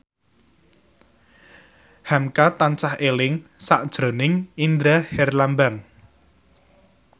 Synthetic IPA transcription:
hamkat̪ant͡ʃahelɪŋsaʔd̥ʒ̥ɾo̤nɪŋind̪ɾahɛrlambaŋ

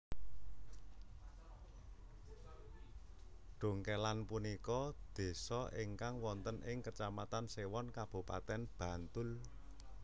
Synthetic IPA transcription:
ɖ̥o̤ŋkɛlanpunikɔd̪̥e̤sɔʔɪŋkaŋwɔnt̪ənɪŋkət͡ʃamat̪ansewɔnkab̥ṳpa̰t̪ɛnb̥ä̤nt̪ʊl

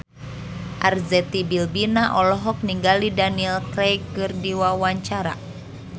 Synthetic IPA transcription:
ʔarzɛt̪ibilbinaʔɔlɔɦɔk̚niŋɡalidaniɛlkɾɛjkɨrdiwawaɲt͡ʃaɾa̰

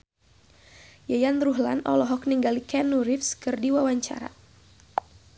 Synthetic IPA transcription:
jajanruɦla̰nɔ̰lɔɦɔkniŋɡalikɛnuɾifskɨrdiwawaɲt͡ʃa̰ɾa̰

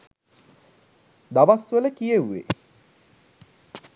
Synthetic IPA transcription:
d̪aʋasʋələkijeʋːḛ

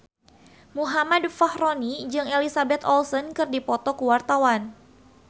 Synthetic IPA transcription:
muɦamadfahɾonid͡ʒɨŋelisabɛt̪ɔlsɔnkɨrdipɔt̪ɔkəwart̪awan

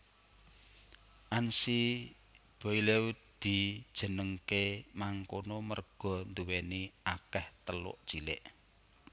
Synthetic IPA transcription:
ʔansi | b̥ɔileut̪̚d̪̥i̤d̥ʒ̥ə̤nəŋkemaŋkonomərɡ̥ɔ̤nd̪uweniakɛht̪əlʊ̰ʔd̥ʒ̥ilɪ̰ʔ

